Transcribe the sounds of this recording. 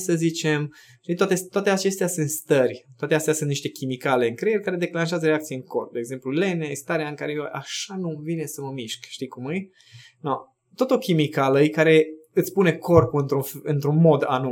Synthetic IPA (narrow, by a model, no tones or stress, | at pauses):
səzit͡ʃe̞m | ʃt̪it̪at̪et̪oat̪eat͡ʃe̞st̪easɨnt̪st̪ərʲt̪oat̪east̪easɨnt̪niʃt̪e̞kʲimikale̞ɨŋkɾejeɾʲkaɾe̞d̪e̞klanʃ̬eazəɾeakt̪sijeɨŋko̞̰rp̚d̪eːɡze̞mplulenaist̪aɾeaɨŋkaɾejojʔa̰ʃanuvine̞səməmiʃkʃt̪ikumɨj | no | t̪ot̪o̞kʲimikaləjkaɾe̞ɨt̪sʲpune̞ko̞rpuɨnt̪ɾuɨnt̪ɾunmo̞d̪a̰nua